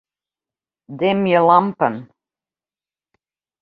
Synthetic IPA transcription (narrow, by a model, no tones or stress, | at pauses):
d̪ɛmjəlampən